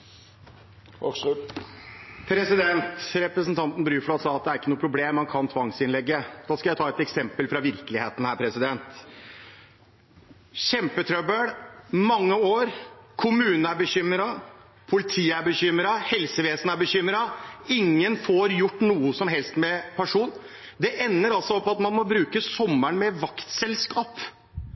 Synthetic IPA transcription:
pʰɾɛsɪd̪ɛnt̪ɾɛpɾəsnt̪ʰɑnt̪n̩bɾyːfɔɽɑt̪sɑːɑt̪̚d̪ɛæɾɪkːənuːəpʰɾʊbleːmhɑnkʰɑnt̪ʰʋɑŋsɪnlɛɡːəd̪̥ɑːskɑljæɪt̪ʰɑːɛt̪ɛksɛmpəlfɾɑʋɪɾkəlɪeːt̪n̩hæːɾpʰɾɛsɪd̪ɛnt̪ | ɕɛmpət̪ʰɾœbəɽmɑŋːəoːɾkʰʊmʉːnəæɾbəɕʏmɾɑ | pʰʊlɪt̪ʰiːæɾbəçʏməɾɑhɛlsəʋeːsənæɾbəçʏmɾɑɪŋːənfɔɾjʊʈːnuːəsɔmɦɛlst̪mɛpʰæʂuːn | d̪ɛʔɛnːəɾɑlsɔɔpːɑt̪mɑnmɔbɾʉːkəsɔmːæɳmɛʋɑkt̪sɛlskɑːp

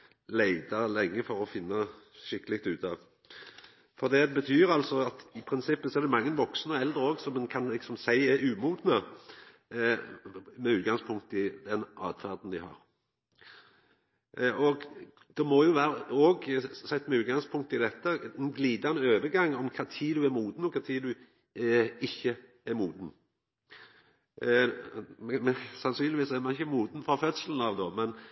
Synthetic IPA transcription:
læɪd̪ɑlɛŋːəfɔɾɔfɪnːɑ | ʃɪkːəlɪkt̪ʉːt̪ɑ | fɔʁd̪ɛbət̪ʰyːɾɑlsɔɑt̪ɪpʰɾɪnsɪpːəsɔɛʁd̪ɛmɑŋːənʋɔksnəɔɛld̪ɾəoːɡsɔmɛnkʰɑnlɪksɔmsæɪæɾʉːmuːd̪nə | mɛʉːt̪̚ɡɑŋspʰʊŋkt̪əɪd̪ɛnʔɑ̰ːd̪fæʁd̪n̩d̪ɪhɑ̰ʁ | ʔɔɡ | d̪̥ɛmɔjʊʋæːɾəoːɡsɛt̪ːmɛʉːt̪̚ɡɑŋspʰʊŋkt̪ɪd̪ɛt̪ːənɡliːd̪ɑnəøːʋəɡɑŋːɔmkʰɑt̪ʰiːd̪ʉæɾmuːd̪n̩ɔkʰɑt̪ʰiːd̪ʉ | ɪçːə | ɛɾmuːd̪n̩ | sɑnsyːnlɪʋiːsɛɾmɑnɪçəmuːd̪n̩fɾɑfœt̪səln̩ɑʋd̪oːmɛn

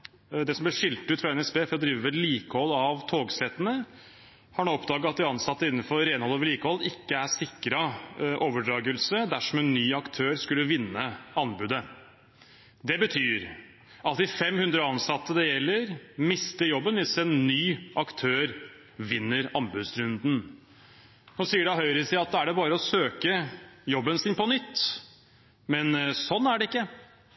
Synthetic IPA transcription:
d̪ɛsɔmblɪʂɪlt̪ʉːt̪fɾɑɛnɛsbeːfɔɾɔd̪ɾiːʋəʋɛliːkəhɔlːɑʋt̪ʰoːɡsɛt̪ənə | hɑɳoːɔpd̪ɑːɡəɑt̪̚d̪ɪɑnsɑt̪ːəɪnːənfɔɾɾeːnhɔlːoːʋəɭiːkəhɔlːɪkːəæʂɪkːɾəʔoːʋəɖɾɑːɡəlsəd̪æʂɔmɛnːyːɑkt̪ʰøːɾskʉlːəʋɪnːəɑnbʉːd̪ə | d̪ɛbət̪ʰyːɾ | ɑt̪ɪfɛmhʉnd̪ɾəɑnsɑt̪ːəd̪ɛjɛlːəɾmɪst̪əjɔbːənʋɪsɛnːyːʔɑkt̪ʰøːɾ | ʋɪnːəɾɑnbʉd̪sɾʉnd̪n̩ | hɔsiːəɖɑɦœʏɾəsɪɑt̪̚d̪æɖɛbɑːɾəɔsøːkəjɔbːənsɪnpɔnʏt̪ː | mɛnsɔnːæɖɛɪkːə

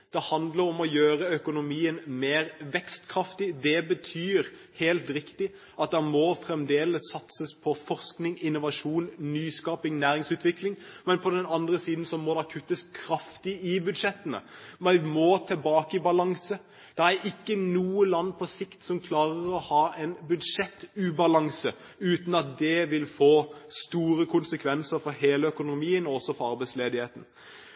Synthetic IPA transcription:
d̪̥ɛhɑnd̪ləɾɔmɔjøːɾəœkʊnʊmiːənmeːɾʋɛkst̪kʰɾɑft̪ɪd̪ɛbət̪ʰyːɾ | heːlt̪ɾɪkt̪ɪ | ʔɑt̪̚d̪ɛmɔfɾɛmd̪eːləsːɑt̪səspʰɔfɔʁsknɪŋɪnːʊʋɑʂuːnnyːskɑːpɪŋnæːɾɪŋsʉːt̪ʋɪklɪŋmɛnpʰɔd̪ɛnɑnd̪ɾəsiːd̪n̩sɔmɔd̪ɛkʰʉt̪ːəskʰɾɑft̪ɪɪbʉd̪ʂɛt̪ːənə̰mɛmɔt̪ʰɛlbɑːkəɪbɑlɑŋsə | d̪̥ɛæɾɪkːənuːəlɑnːpʰɔsɪkt̪sɔmkʰlɑːʁəɾɔhɑːɛnbʉd̪ʂɛt̪ːʉːbɑlɑŋsə | ʉːt̪n̩ɑt̪̚d̪ɛʋɪlfoːst̪uːɾəkʰʊnsəkʰʋɛnsəɾfɔɾheːləœkʊnʊmiːənɔɔsːɔfɔɾɑɾbæɪsleːd̪ɪheːt̪n̩

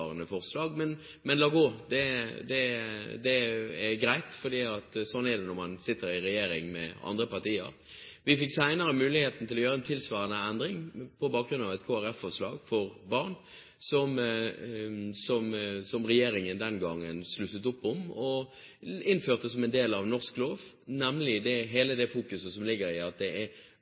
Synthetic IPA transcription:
ɑɾənəfɔʁslɑːɡmɛn | mɛnlɑːɡoːd̪ɛd̪ɛd̪ɛɛɾɡɾæɪt̪fɔd̪iːɑt̪sɔnːɛd̪ɛnɔɾmɑnsɪt̪ːəɾɪɾɛjeːɾɪŋmɛ̰ɑ̰nd̪ɾəpɑʁt̪iːə̰ɾ | ʋɪfɪksæɪnəɾəmʉːlɪheːt̪n̩t̪ʰɪlɔjøːɾəɛnt̪ʰɪlsʋɑːɾənəɛnd̪ɾɪŋpʰɔbɑːk̚ɡɾʉnɑʋɛt̪kʰoːæɾæfɔʂlɑːɡfɔɾbɑʁn | sɔm | sɔmsɔmɾɛjeːɾɪŋənd̪ɛnɡɑŋːənslʉt̪ːət̪ʊpːɔmɔ | ɪnføːʁt̪əsɔmɛnd̪eːlɑʋnɔʁskloːʋ | næməlɪd̪ɛɦeːləd̪ɛfuːkʉsəsɔmlɪɡːəɾɪɑt̪̚d̪ɛʔɛɾ

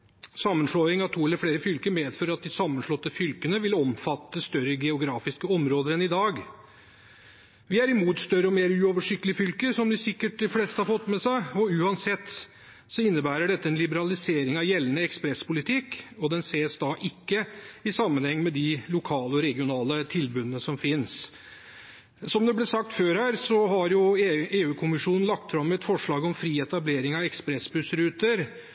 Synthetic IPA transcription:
sɑmːənʂɭoːɪŋɑʋt̪ʰuːɛlːəɾfɽeːɾəfʏlkəmeːd̪føːɾɑt̪̚d̪ɪsɑmːənʂɭɔt̪ːəfʏlkənəʋɪlɔmfɑt̪ːəst̪œɾəɡɛʊɡɾɑːfɪskəɔmɾoːd̪əɾɛnɪd̪ɑːɡ | ʋɪæɾɪmuːt̪st̪œɾəɔmeːɾʉːoːʋəʂɪkt̪lɪfʏlkəsɔmd̪ɪsɪkːəʈ̚d̪ɪfleːst̪əhɑɾfɔt̪ːmɛsæɪɔʉːɑnsɛt̪ː | sɔɪnːəbæːɾəɖɛt̪ːəɛnlɪbəɾɑlɪseːɾɪŋɑʋjɛlənəɛkspɾɛspʊlɪt̪ʰɪkːɔd̪ɛnseːsd̪ɑʔɪkːəɪsɑmːənhɛŋːmɛd̪ɪlʊkʰɑːləɔɾɛɡɪʊnɑːlət̪ʰɪlbʉnənəsɔmfɪns | sɔmd̪ɛblɛsɑk̚t̪føːɾhæːɾsɔɦɑɾjʊeeːʉːkʰʊmɪʂuːnn̩lɑk̚t̪fɾɑmːɛt̪fɔʂɭɑːɡɔmfɾiːɛt̪ɑbleːɾɪŋɑʋɛkspɾɛsbʉsɾʉːt̪əɾ

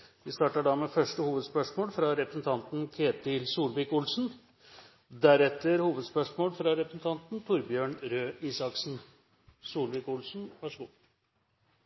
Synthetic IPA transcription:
ʋɪst̪ɑːʈəɖɑmefœʂʈəhuːʋəd̪spœʂmoːlfɾɑɾɛpɾəsnt̪ʰɑnt̪n̩kʰeːt̪ɪlsuːlʋɪkʊlsn̩ | d̪æɾɛt̪ːəɾhuːʋəd̪spœʂmoːlfɾɑɾɛpɾəsn̩t̪ʰɑnt̪n̩t̪ʰʊɾbjøːɳɾøːiːsɑksn̩ | suːlʋɪkʊlsn̩ʋɑʂəɡuː

